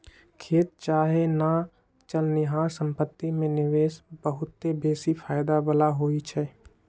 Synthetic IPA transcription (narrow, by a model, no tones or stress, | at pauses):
kʰeːt̪̚t͡ʃaːɦena | t͡ʃəlnɪɦaːɾsə̃mpət̪ːimẽnɪʋeːsbəɦʊt̪ːebeːsipʰaːɪd̪abəlaɦoːit͡ʃʰɛː